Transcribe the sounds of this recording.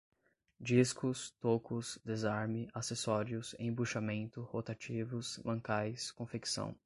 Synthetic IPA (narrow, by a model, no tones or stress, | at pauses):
d͡ʒiskʊst̪okʊsd̪ezaɾmɪasesɔɾiʊsḛ̃buʃamẽnt̪ʊhot̪at͡ʃivʊslɐ̃ŋkajskõfeksɐ̰̃w̃